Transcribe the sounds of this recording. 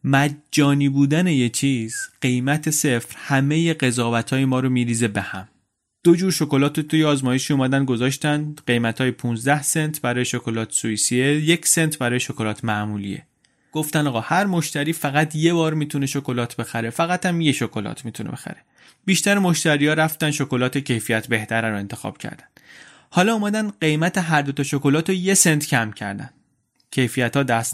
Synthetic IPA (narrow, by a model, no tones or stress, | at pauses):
mæd͡ʒd͡ʒːɒːniːbuːd̪æne̞jet͡ʃʰiːz̥ɢ̥e̞jmæt̪ʰe̞se̞fɾhæme̞je̞ɢe̞zɒːvæt̪ʰɒːjemɒːɾomiːɾiːze̞be̞hæm | d̪̥o̞d͡ʒuːɾʃo̞ko̞lɒːt̪ʰot̪ʰujeɒːzmɒːjeʃiːumæd̪ænd̪̚ɡo̞zɒːʃt̪ænd̪ɢe̞jmæt̪ʰhɒːjepʰuːnzd̪æhse̞nt̪ʰbæɾɒːjeʃokʰolɒːt̪ʰsuisieje̞cʰse̞nt̪ʰbæɾɒːjeʃokʰolɒːt̪ʰmæʔmuːlḭḛ | ɡ̥oft̪ændɒːɣɒhæɾmoʃt̪æɾiːfæɣæt̪ʰje̞bɒːɾmiːt̪ʰune̞ʃokolɒːt̪ʰbe̞xæɾe̞fæɣæt̪æmjeʃokʰo̞lɒ̰ːt̪ʰmiːt̪ʰuneb̥exæ̰ɾe | biːʃt̪æɾemo̞ʃt̪æɾijɒːɾæft̪ænʃokolɒːt̪ʰecʰe̞jfijæt̪ʰbe̞ht̪ʰæɾæɾoe̞nt̪ʰexɒ̰ːb̥cʰæ̰ɾd̪æ̥nd̪̥ | hɒːlɒumæd̪ænd̪ɢe̞jmæt̪ʰeɦæɾd̪ot̪ʰɒʃokolɒːt̪oje̞sent̪ʰcʰæmcʰæ̰ɾd̪æ̰nd | cʰe̞jfijæt̪ɒːd̪æst̪